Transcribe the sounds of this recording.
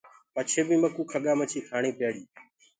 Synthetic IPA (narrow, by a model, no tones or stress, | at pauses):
pət͡ʃʰeːbĩːməkuːkʰəɠaːmət͡ʃʰiːkʰaːɳĩːpjaːɽiː